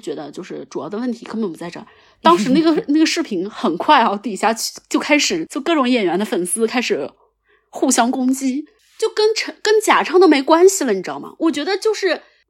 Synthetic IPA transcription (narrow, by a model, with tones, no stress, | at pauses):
t͡ɕɥɛ˧˥d̪ə˧t͡ɕjo˥˧ʊʂɻ̩˥˩ʈ͡ʂu˨˩jɑ˥˩ʊd̪ə˩wə˥˩nt̪ʰi˧˥kʰpə˧˥pt͡sa˥˧ɪʈ͡ʂɤ̰˥˩ | t̪ɑ˥ŋʂɻ̩˧˥na˥˩ɡə˩na˥˩ɡə˩ʂɻ̩˥˩pʰi˧˥nxə˨˩nkʰwa˥˩ɪɑ˧ʊt̪i˨˩ɕja˥˩˥t͡ɕjo˥˩˧ʊkʰa˥ɪʂɻ̩˨˩˦t͡ɕɔ˥˧kɤ˥˩ʈ͡ʂʊ˧˥ŋjɛ˨˩nɥɛ˧˥nd̪ə˧fə˨˩nsɹ̩˥kʰa˥ɪʂɻ̩˨˩ | xu˥˩ɕjɑ˥ŋkʊ˥ŋt͡ɕi˥ | t͡ɕjo˥˩ʊkə˥nʈ͡ʂʰə˧˥kə˥nt͡ɕja˨˩ʈ͡ʂʰɑ˥˩ŋd̪ə˩me˧˥ɪkwa˥nɕi˨˧lə˧˩n̩i˨˩ʈ͡ʂɑ̰˥˩mɐ̰˨˩wɔ˨˩t͡ɕɥɛ˧˥d̪ə˧t͡ɕjo˥˧ʊʂɻ̩˥˩